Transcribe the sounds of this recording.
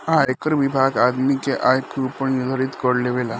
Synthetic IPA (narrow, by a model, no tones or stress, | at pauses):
ajkəɾʋibʱaɡad̪mikeʔajkɾupəɳnid̪ʱəɾit̪kəɽleʋela